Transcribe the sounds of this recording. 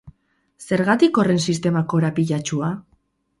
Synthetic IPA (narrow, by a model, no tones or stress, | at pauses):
se̞ɾɣat̪iko̞re̞nsist̪e̞mako̞ɾapiʎat͡ʃua